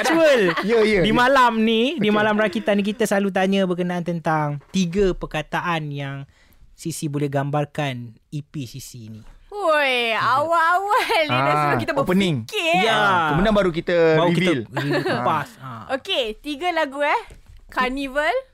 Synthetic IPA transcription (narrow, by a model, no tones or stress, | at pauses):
uəljəjədimalamnidimalamɾakit̪anĩk̬it̪əslalut̪̬aɲə̃bərkənaʔant̪ənt̪aŋt̪iɡəpərkat̪aʔanjaŋ | sisibolɛhɡambarkan | ipisisiːniojawaawalasəlakit̪əbəpəniŋkejaəmudaŋbaɾukit̪əbawkivələpasa̰oket̪iɡəlaɡuɛh | kanivəl